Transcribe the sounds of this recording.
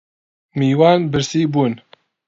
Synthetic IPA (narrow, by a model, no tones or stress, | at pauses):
miːwaːnbɨɾsiːbuːn